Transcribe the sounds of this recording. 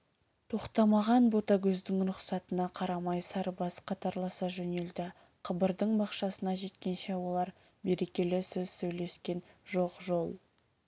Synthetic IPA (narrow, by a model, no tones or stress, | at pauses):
t̪ʰo̞qt̪ɑmɑʁɑnbo̞t̪ɑɡʲɵzd̪ɪŋɾʊqsɑt̪ənɑqʰɑɾɑmɑjsɑɾbɑsqʰɑt̪ɑɾlˠɑsɑʒɵne̞ld̪ɪ | qʰəbəɾd̪əɴbɑqʃɑsənɑʒe̞t̪kʲe̞nʃewo̞lˠɑɾ | be̞ɾe̞kʲe̞lɪsɵz̥sɵjle̞skʲe̞nʒo̞qʒo̞lˠ